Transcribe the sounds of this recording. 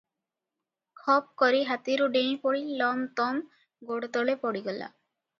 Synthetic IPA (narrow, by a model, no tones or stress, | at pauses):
kʰɔp̚kɔɾiɦat̪iɾuɖẽpɔɽilɔmt̪ɔm | ɡoɽt̪ɔɭepɔɽiɡɔla̰